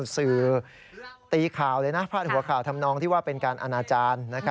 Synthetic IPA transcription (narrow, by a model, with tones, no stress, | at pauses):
sɯː˨˩ | t̪iː˧kʰaː˨˩wlɤː˧jnaː˦˥pʰaː˥˩t̪̚hu˩˦ɐkʰaː˨˩wt̪ʰa˧mnɔː˧ŋt̪ʰi˥˩waː˥˩pe˧nkaː˧nʔa˧naː˧t͡ɕaː˧nːa˦˥kʰa˦˥